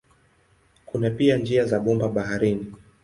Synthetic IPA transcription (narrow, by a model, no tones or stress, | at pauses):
kunapiand͡ʒiazaɓɔmbaɓaɦaɾini